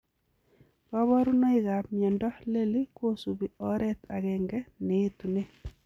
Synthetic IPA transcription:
pa˦βɔ˦ɾu˦nɔ˦iɣa˨pmjɛ˨ndɔ˦le˦li˦ko˦su˨βi˨ɔ˦ɾɛ˦t̪ʰaɣɛŋɡɛ˦neː˦t̪u˨ne˦

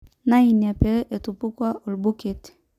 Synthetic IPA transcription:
na˦i˨na˨peʔe˨tupu˦kwa˦o˨lbu˦ket

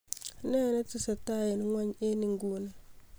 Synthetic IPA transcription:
ne˦ne˦tu˦sa˨ta˦ji˨n˦ŋʷa˦ɲe˦ni˨ŋɡuː˦na˨

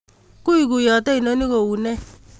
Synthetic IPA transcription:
ku˦i˨ɡu˨jɔ˨tɛ˦i˨no˧˦ni˦ko˨wu˨nɛ˦

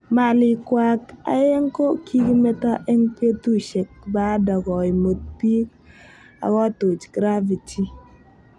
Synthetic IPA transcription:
ma˨li˨kwa˨ka̰˨je˦ŋko˦kʰi˦ɡi˦mɛ˦ta˦ʔɛ˦ŋpe˦tu˦ʃe˨k̚ba˦dɔ˨ɡɔ˨i˨mo˨t̪̚pi˦k | a̰˨ɡɔ˦to˨t͡ʃɡ̥ɾa˦vi˨ti˦

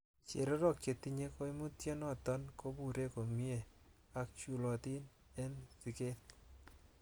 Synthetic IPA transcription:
t͡ʃḛ˨ɾɔ˦ɾɔ˦kt͡ʃe˨t̪i˦ɲe˦ko˦i˦mu˦tje˦nɔ˦tɔ˦nko˦bu˦˨ɾe˦ko˨mi˦e˨ | a˦k̚t͡ʃu˦lɔ˨t̪i˦n | ɛ˦nsi˨ke˦t̪

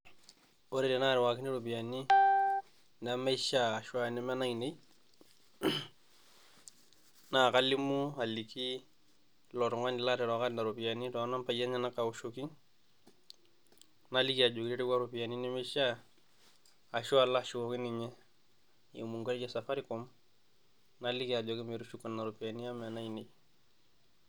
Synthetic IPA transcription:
o˦ɾɛ˦˨tɛ˨na˦ɾɪ˨wa˨kɪ˦ni˦ɾʊ˨pija˨ni˦ | na˨mɛ˦ʃaː˦˨ʃwa˦nɪ˨˦mɛ˦na˦i˨ne˦ | na˨ka˦li˦mu˦a˨li˨ki˦ | lɔ˨tɔ˨ŋa˦nɪ˨la˦tɛ˨ɾɔ˨ka˦nda˨ɾʊ˨pi˨a˨ni˦tɔ˨˦na˦mpa˨ja˦ɲɛ˦na˦ka˨u˦ʃo˦ki˦ŋ | nali˦kia˨d͡ʒo˨ki˦ɾi˦ɾi˦ɡa˦ɾupi˨ja˨ni˦ni˦mɪ˦ʃa˦ | a˨ʃu˦a˨laʃu˨koki˦nɪɲɛ˦ | ḭ˨mu˨ŋɡo˦ld͡ʒɛ˦sa˨fa˦ɾɪ˦kɔm | nali˦ki˦a˨d͡ʒɔ˨kɪ˦me˨ɾu˦ʃu˦kːa˨nːa˨ɾu˨pi˨a˨ni˦a˦ma˨na˦ine˨j

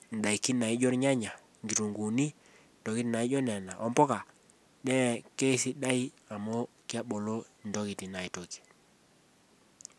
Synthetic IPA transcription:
n˨ɗa˨i˨ki˦na˨ɪ˦d͡ʒɔ˦ɾɲa˦ɲa˨ | ŋɡi˨ɾu˨ŋɡu˨ni˦ | n˨dɔ˨ki˦ti˨na˨ɪ˦d͡ʒɔ˦nɛ˨na˨ʔɔ˦mbɔ˦ka˨ | ɗɛ˦˨ke˦si˦ɗa˦i˦ | a˨mɔ˦ | kɪ˦a˦ɓo˨lo˦ndɔ˦kɪ˨ti˨na˨i˨to˨ki̥˨

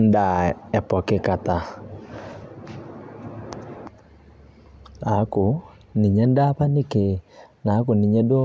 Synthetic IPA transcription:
nda˨ɛ˨pɔ˨ke˦ka˨t̪a˨ | na˨˦ko˨ | ni˨ɲɛ˦nda˦pa˦ni˦ke˨na˨˦ko˨ni˨ɲɛ˦do˦

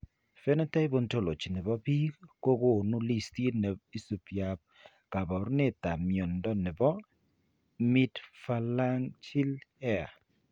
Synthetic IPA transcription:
fɛ˦nɛ˦ta˦jbo˦nto˦lo˨t͡ʃi˨nɪ˨bɔ˦pi˦ko˦ɡo˦˨nu˦li˦sti˦nɛ˨i˦su˨pja˨p̚ | ka˨bɔ˨ɾnɪ˦ta˨mjɔ˨ndɔ˦nɪ˨bɔ˦ | mi˦tfa˦la˦ŋt͡ʃi˦lɛ˦a˨

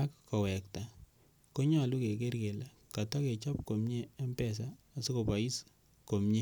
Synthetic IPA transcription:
a˦kːɔ˨wɛ˨kta˨ | ko˦ɲɔ˦˨lu˦ke˨ke˦rke˨la˦ | ka˨tɔ˦ke˨t͡ʃɔ˦p̚ko˨mɲeː˦mpɛ˦˨s̬aː˦˨si˦ko˨pa˨i˦s | ko˨mɲe˦

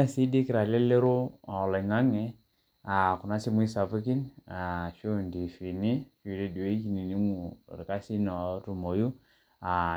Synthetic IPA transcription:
a˦˨si˦di˦ki˨ɾa˨lɛ˦le˦ɾo˦ɔ˨lɛ˨ŋa˦ŋɛ˦ | a˨kʊ˨na˦si˦mu˦i˦sa˨fu˦ki˦na˨ʃu˦ndi˨fi˨ni˦ʃu˨˦ɾe˦di˨e˦ki˨ni˨ni˦mu˨ɾɪ˨ka˦si˦nɔ˨˦tu˨mo˨ju˦ | a˨

